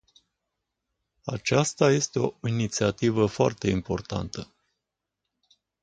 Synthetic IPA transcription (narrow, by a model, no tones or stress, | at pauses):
a̰t͡ʃast̪aje̞st̪e̞o̞init̪siat̪ivəfoa̰rt̪e̞impo̞rt̪a̰nt̪ə